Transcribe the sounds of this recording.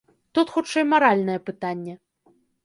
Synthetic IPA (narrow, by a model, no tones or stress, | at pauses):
t̪ut̪xut͡ʂɛjmaɾalʲnɐjɛpɨt̪anʲːɛ